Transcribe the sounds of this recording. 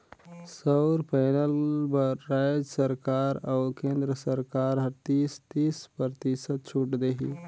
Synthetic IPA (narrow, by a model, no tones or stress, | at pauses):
səwɾpajnəlbəɾːajd͡ʒəsəɾkaɾawkẽnd̪ɾəsəɾkaɾɦət̪ist̪ispəɾt̪isət̪̚t͡ʃʰuʈd̪eɦḭ